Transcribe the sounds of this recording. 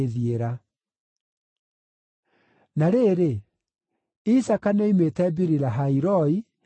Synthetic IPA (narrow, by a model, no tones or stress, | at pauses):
ðieɾa | naɾeːɾe | isakaneimetɛbiɾiɾaɦaiɾɔi